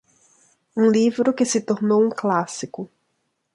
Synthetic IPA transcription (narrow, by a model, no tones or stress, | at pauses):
ũlivɾʊkɪsɪt̪oɾnowũklasikʊ